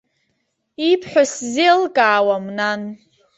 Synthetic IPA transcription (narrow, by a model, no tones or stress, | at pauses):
ipʰħʷᶣaszelkʼaːwamnan